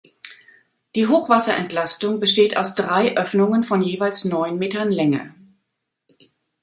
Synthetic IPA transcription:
d̥iːɦoːxv̥asɐʔɛ̰ntlastʊŋbəʃteːta̰ʊsd̥ʁaɪʔœfnʊŋənfɔnjeːvaɪlsnɔʏnmeːtɐnlɛŋə̰

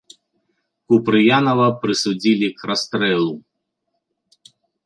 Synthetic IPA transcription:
kupɾɨjanɐvɐpɾɨsud͡zʲilʲikɾast̪ɾɛlˠu

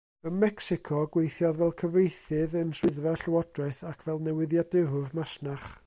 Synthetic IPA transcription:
əmɛksɪkʰɔɡwejθjɔðvɛlˠkʰəvrejθɨðənswɪðvɛɬəwɔdraɨθakʰvɛlˠnɛwɪðjadɪvʊrmasnaχ

